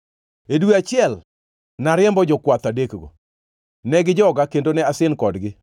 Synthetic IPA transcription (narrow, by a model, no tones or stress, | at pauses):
edweat͡ʃɪɛl | naɾɪɛmbɔd͡ʒɔkwat̪adekɡo̰ | nɛɡɪd͡ʒɔɡakendonɛasɪnkɔdɡɪ